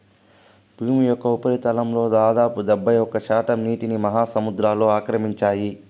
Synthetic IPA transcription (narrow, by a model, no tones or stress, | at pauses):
bʱuːmujɔkːɐupɐɾit̪ɐlɐmlo̞ːd̪aːd̪aːpud̪ɛbːɐjɔkːɐʃaːʈɐmniːʈinimɐɦaːsɐmud̪ɾaːlo̞ːaːkɾɐmiɲt͡ʃaːji